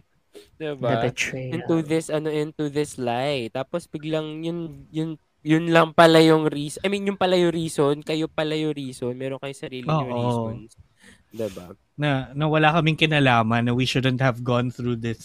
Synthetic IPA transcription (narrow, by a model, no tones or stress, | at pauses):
d̪ɪbɪ̃nt̪uðɪsʔɐnoʔɪ̃nt̪uðɪslajt̪aːposbɪɡlɐŋjʊnjʊn | jʊnlɐŋpɐlajʊŋɾiːsʔɐjmĩnjʊŋpɐlɐjoɾiːsonkɐjopɐlɐjoɾiːsonmɛːɾo̞nkɐjosɐɾiːlloːŋʔoisons | d̪ɪba̰ | nɐnɐwɐlakɐmɪŋkɪnalaːmɐnːɐwiʃʊd̪ɛnt̪̚hɐvɡɔnθɹuːðɪs